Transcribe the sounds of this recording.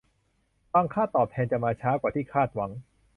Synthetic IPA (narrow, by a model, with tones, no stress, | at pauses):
faː˧˩ŋkʰaː˥˩t̪ɔː˨˩p̚t̪ʰɛː˧nt͡ɕa˨˩maː˧t͡ɕʰaː˦˥kwaː˨˩t̪ʰiː˥˩kʰaː˥˩t̪̚wa˩˦ŋ